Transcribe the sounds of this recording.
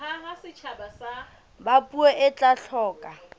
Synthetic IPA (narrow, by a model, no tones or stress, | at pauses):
aɦasɪt͡ʃʰabasa | bapʼueʔɪt͡ɬʼaɬʰɔːkʼa